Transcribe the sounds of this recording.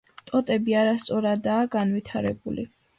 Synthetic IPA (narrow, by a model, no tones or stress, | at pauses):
t̪ʼɔt̪ʼɛbiaɾast̪sʼɔɾad̪aːɡanvit̪ʰaɾɛbṵlḭ